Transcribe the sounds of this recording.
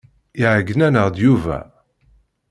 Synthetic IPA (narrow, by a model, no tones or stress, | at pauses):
iʕəɡənænəʁd̪juvæ̰